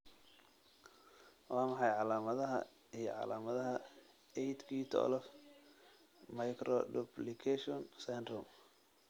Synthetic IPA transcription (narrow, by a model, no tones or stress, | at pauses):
wɑːmɑħɑjʕɑlaːmɐðɐɦɐ̰ | ijɞ̰ʕɑ̰laːmɐðɐɦɐ | ɛjt̪kʰiːt̪ʰɔ̰lɔf | mɐjkʰɾɔdublɪkʰɛʃɔnsɛnd̪ɾɔm